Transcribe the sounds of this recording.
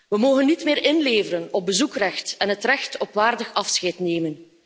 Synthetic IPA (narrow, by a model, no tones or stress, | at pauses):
ʋəmoːɣənːitmɪːɾɪnleːvəɾənɔb̚bəzukrɛxtɛnɦətrɛxtɔpʋaːrdəxɑfsxɛjtneːmən